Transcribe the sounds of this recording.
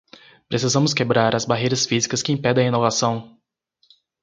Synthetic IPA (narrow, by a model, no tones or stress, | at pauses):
pɾesizɐ̃mʊs̬kebɾaɾɐzbaɦejɾɐsfizikɐskɪẽj̃pɛd̪ẽinovasɐ̃w̃